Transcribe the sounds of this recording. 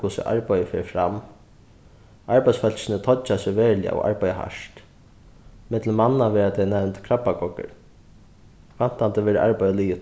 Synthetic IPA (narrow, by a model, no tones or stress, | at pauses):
kuːsɪ̰ʔa̰ɹpajəfɛːɾfɾam | aɹpajsfœlsɪnət̪ʰɔt͡ʃːasɪʋɛːɹlɪa̰ɔ̰ɣʔa̰ɹpajəɦa̰ʂt̪ | mɪt̪ləmanːaʋɛːɾat̪ʰɛjnɛɾmt̪kʰɾapːakɔkə̰ɾ | fan̥t̪ant̪əʋɛːɾəʔa̰ɹpajəliːɪ